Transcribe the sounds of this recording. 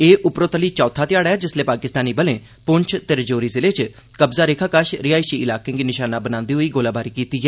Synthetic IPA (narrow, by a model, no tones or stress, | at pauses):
eːʔʊpɾoːt̪əliːt͡ʃɔːt̪ʰaːt̪ɪjaːɽaɛːd͡ʒɪsleːpaːkɪst̪aːniːbəlẽː | pʊnt͡ʃʰt̪eɾd͡ʒoːɾiːzɪleːt͡ʃ | kəbzaːɾeːkʰaːkaʃɾɪjaːisiːɪlaːkẽːɡiːnɪʃaːnãːbənãːnd̪iːɦoiːɡoːlaːbaːɾiːkiːt̪iːɦɛː